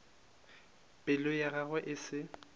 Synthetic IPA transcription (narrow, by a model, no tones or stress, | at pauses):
pʼɪlʊjaɣaɣwɛʔɪsɪ